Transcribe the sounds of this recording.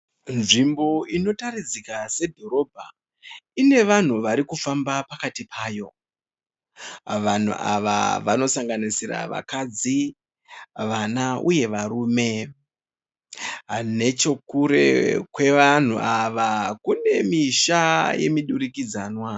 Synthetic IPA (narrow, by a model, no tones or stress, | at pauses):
nʐimbo̞ino̞tarid͡zikase̞dʱo̞ɾo̞bʱa | ine̞ʋan̤uʋaɾikufambapakatipʰaːjo̞ | ʋan̤ṵʔa̰ʋa̰ʋa̰no̞saŋɡanisiɾa̰ʋa̰kad͡zi | ʋanauje̞ʋaɾuːme̞ | ɦane̞t͡ʃo̞kuɾe̞̰kwe̞ʋan̤uʔaʋakune̞miʃaje̞̰miɗuɾikid͡zanwa